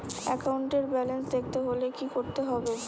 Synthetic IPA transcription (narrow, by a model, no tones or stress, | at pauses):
ɛ̰kawɳʈeɾbɛlensd̪ek̚ʰt̪eɦolekikoɾt̪eɦɔbe